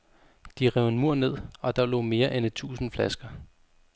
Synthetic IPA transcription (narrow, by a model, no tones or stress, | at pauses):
d̥iʁɛʊ̰enmuɐ̰ne̝ð̞̰ˠɒ̽d̥ɑ̈lɔ̰ːme̝ːɐʔenet͡sʰṵːsn̩flæsɡ̥ɐ